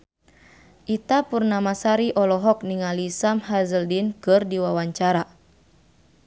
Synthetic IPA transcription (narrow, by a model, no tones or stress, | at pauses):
ʔit̪apurnamasaɾiʔɔlɔɦɔk̚niŋalisamhazəldinkɨrdiwawaɲt͡ʃaɾa